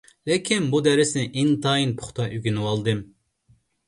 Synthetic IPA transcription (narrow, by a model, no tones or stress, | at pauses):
lɪkʲʰinbud̪ɛɾɪsnɪʔint̪ʰɑːjinpʰʊ̥χt̪ʰɑʔyɡʲinɨwɑlˠd̪ɨm